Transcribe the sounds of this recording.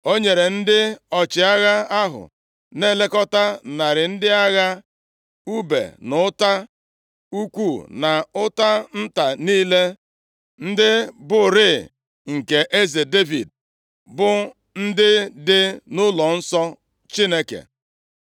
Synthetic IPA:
o˦ɲe˨ɾe˨n̩˦dɪ˦ɔ˨t͡ʃɪ˨a˦ɣa˦a˦ɦʊ̰˨ | ne˦˨le˦kɔ˦ta˦na˨ɾɪ˨n̩˦dɪ˦a˦ɣa˦ | u˦bḛ˨nʊ˨ʊ˦ta˦ | u˦kʷu˦˨na˨ʊ˦ta˦n̩˦ta˨niː˦le˦ | n̩˦dɪ˦bʊ˨ɾɪ˦˨ | ŋ̩˨ke˨ʔe˦ze˨de˦vḭ˨d | bʊ˦ | n̩˦dɪ˦dɪ˦nʊ˦lɔ˨n̩˦sɔ˦ | t͡ʃi˦ne˦kḛ˨

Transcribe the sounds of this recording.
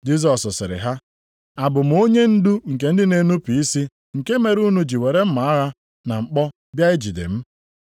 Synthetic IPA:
d͡ʒi˦z̬ɔ˨sʊ˨sɪ̰˨ɾɪ̰˨ɦa˦ | a˨bʊ˨m̩˨o˦ɲe˦n̩˦du˦ŋ̩˨k̬e˨n̩˦dɪ˦ne˨nu˦pi˨i˦si˦ | ŋ̩˨ke˦me˨ɾu˦nu˦d͡ʒi˨we˨ɾe˦m̩˦ma˨a˦ɦa˦ | na˨ŋ͡m̩˨k͡pɔ˦ | bja˦e˦d͡ʒi˨dḛ˨m̩˦

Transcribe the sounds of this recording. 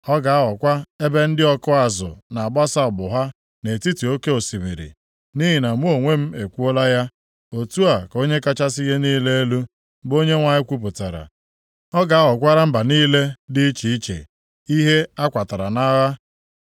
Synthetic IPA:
ɔ˦ɡa˨a˦ɦɔ˨kʷa˦e˦be˦n̩˦dɪ˦ɔ˦kʊ˦a˨zʊ̰˨na˨a˨ba˦sa˦ɔ˨bʊ˨ɦa˦ | ne˨ti˦ti˨o˦ke˦o˨si˨mḭ˨ɾḭ˨ | ni˦ɦi˨na˨mu˦o˨ŋʷe˦m̩˦e˨kʷu˦o˦la˦ja˦ | o˨tu˦a˨ko˦ɲe˦ka˦t͡ʃa˦si˦je˦niː˦le˦e˦lu˦ | bo˦ɲe˦ŋʷa˨ɲɪ˦kʷu˦p̬ʊ˨ta˨ɾa̰˨ | ɔ˦ɡa˨a˦ɦɔ˨kʷa˦ɾa˦m̩˦ba˨niː˦le˦di˦i˦t͡ʃi˨i˦t͡ʃḛ˨ | i˦ɦe˦a˦kʷa˨ta˨ɾa˨na˦ɣa˦

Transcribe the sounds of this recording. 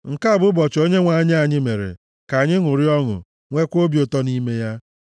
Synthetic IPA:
ŋ̩˨ka˦˨bʊ˦bɔ˨t͡ʃo˦ɲe˦ŋʷa˨ɲ˦a˨ɲɪ˦me˨ɾḛ˨ | ka˨ɲɪ˦ŋʊ˨ɾi˦ɔ˦ŋʊ̰˨ | ŋʷe˦kʷo˦bjo˨tɔ˦ni˦me˦ja˦

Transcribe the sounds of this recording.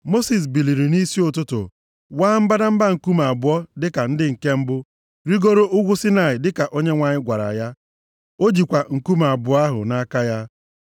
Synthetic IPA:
mo˦si˨s̬bi˨li˨ɾi˨ni˦si˦ʊ˨tʊ˦tʊ̰˨ | waː˦m̩˦ba˦da˦m̩˦ba˦ŋ̩˨ku˦ma˨bʊ˨ɔ˦dɪ˦ka˨n̩˦dɪ˦ŋ̩˨ke˦m̩˦bʊ˦ | ɾi˦ɡo˦ɾo˦ʔʊ˦ɡʷʊ˦si˦na˨ɪ˨dɪ˦ka˨ʔo˦ɲe˦ŋʷa˨ɲɪ˦ɡʷa˨ɾa̰˨ja˦ | o˦d͡ʒi˨kʷa˨ŋ̩˨ku˦ma˨bʊ˨˦a˦ɦʊ̰˨na˦ka˦ja˦

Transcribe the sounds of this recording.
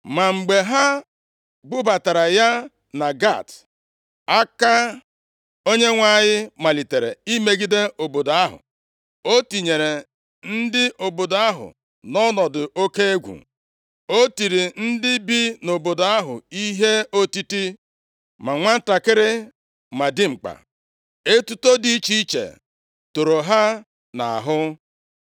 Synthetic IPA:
ma˨ŋ͡m̩˨ɡ͡be˨ɦa˦ | bʊ˦ba˨ta˨ɾa˨ja˦ | na˨ɡa̰˦˨t | a˦ka˦ | o˦ɲe˦ŋʷa˨ɲɪ˦ma˨li˨te˨ɾḛ˨i˦me˦ɡi˦de˦ʔo˨bo˨do˨a˦ɦʊ̰˨ | o˦ti˨ɲe˨ɾe˨ | n̩˦dɪ˦ʔo˨bo˨da˦ɦʊ̰˨ | nɔ˦nɔ˨dʊ˨ʔo˦ke˦e˦ɡʷṵ˨ | o˦ti˨ɾi˨n̩˦dɪ˦bi˦no˨bo˨do˨a˦ɦʊ̰˨i˦ɦe˦o˦ti˦ti˦ | ma˨ŋʷa˦n̩˦ta˨kɪ˦ɾɪ˦ | ma˨dɪ˦ŋ͡m̩˨k͡pa̰˨ | e˦tu˦to˦di˦t͡ʃi˦t͡ʃḛ˨ | to˨ɾo˨ɦa˦ | na̰˨a̰˨ɦʊ˦

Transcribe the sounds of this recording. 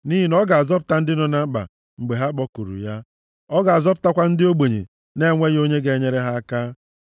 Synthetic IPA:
ni˦ɦi˦nɔ˦ɡa˨a˨zɔ˦p̬ʊ̥˨ta˦n̩˦dɪ˦nɔ˨na˦ɡ͡ba̰˨ | ŋ͡m̩˨ɡ͡be˨ɦa˦k͡pɔ˦ku˨ɾṵ˨ja˦ | ɔ˦ɡa˨a˨zɔ˦pʊ̥˨ta˦kʷa˦n̩˦dɪ˦o˦ɡ͡be˨ɲḛ˨ | ne˦ŋʷe˦ɣo˦ɲe˦ɡe˨˦ɲe˦ɾe˦ɦa˦a˦kaː˦

